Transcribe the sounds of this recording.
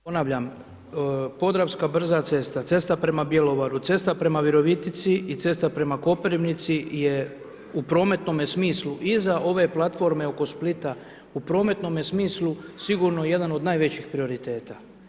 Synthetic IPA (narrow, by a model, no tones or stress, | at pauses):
ponaʋʎam | po̞d̪ɾaʋskabr̩zat̪se̞st̪at̪se̞st̪apɾe̞mabje̞lo̞ʋaɾut̪se̞st̪apɾe̞maʋiɾo̞ʋit̪it̪siit̪se̞st̪apɾe̞mako̞peɾiʋnit̪sije | upɾo̞ːme̞t̪no̞mjesmiːsluʔizaʔo̞ʋe̞plˠat̪fo̞ɾme̞o̞ko̞split̪a | upɾo̞ːme̞t̪no̞mjesmiːslˠusiɡuːɾnojeje̞d̪ano̞d̪naːjʋe̞t͡ɕixpɾio̞ɾit̪e̞ːt̪a